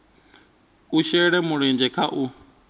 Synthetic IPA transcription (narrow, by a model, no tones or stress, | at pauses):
uʃɛɺɛmuɺind͡ʒʱɛkʰaʔu